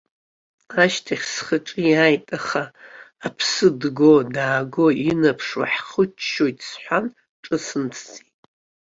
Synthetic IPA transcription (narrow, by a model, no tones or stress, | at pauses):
aʃtʰaχʲsχəʈ͡ʂʼiajtʼaχaːpʰsɨdɡodaːɡoinapʰʂwa̰ħχʊt͡ʃʰʃojtʼʰsħʷan | ʈ͡ʂʼɨsɨnt͡sʰt͡sʰʼitʼ